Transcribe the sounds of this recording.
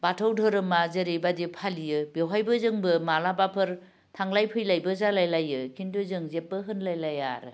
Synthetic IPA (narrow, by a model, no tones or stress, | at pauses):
batʰawdʰʱɔɾɯmazɯɾebadipʰalijɯbewɦajbɯzɯŋbɯmalabapʰɯɾ | tʰaŋlajpʰɯjlajbɯzalajlajɯkʰindɯzɯŋzep̚ːɯɦɯnlajlaja̰ɾɯ